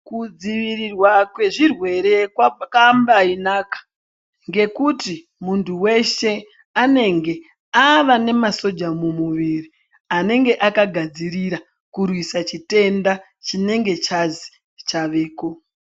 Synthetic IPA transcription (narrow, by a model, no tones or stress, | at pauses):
kud͡ziʋirirwakwe̞ʐirwe̞ɾe̞kakambainakḁ | ŋɡe̞kuti | muntʰuwe̞ʃe̞ | ane̞ŋɡe̞ | aʋane̞maso̞d͡ʒamumuʋiri | ane̞ŋɡe̞ʔakaɡʱad͡ziɾiɾa | kurwisat͡ʃite̞nda | t͡ʃine̞ŋɡe̞t͡ʃazi̥ | t͡ʃaʋe̞ːko̞